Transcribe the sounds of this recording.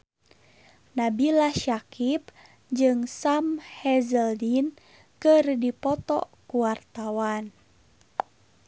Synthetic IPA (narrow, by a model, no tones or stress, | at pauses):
nabilaʃakʰip̚ | d͡ʒɨŋsamhɛzəldin | kɨrdipɔt̪ɔ̰kuwart̪awan